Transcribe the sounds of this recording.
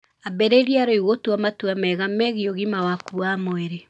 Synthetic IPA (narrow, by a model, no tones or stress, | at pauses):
abɛɾeɾiaɾoiɣotuamatuamɛɣamɛɣioɣimawakuwamoɛɾe